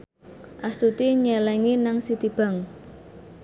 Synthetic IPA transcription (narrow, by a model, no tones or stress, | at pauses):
ʔast̪ut̪iɲɛlɛŋinaŋsit̪ib̥a̤ŋ